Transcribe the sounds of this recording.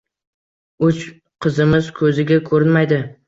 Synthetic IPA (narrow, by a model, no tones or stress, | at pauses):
ʊt͡ʃ | qʰɨzɪmɪz̥kʰɵzɪɡʲakʰɵɾɪnmajd̪ɪ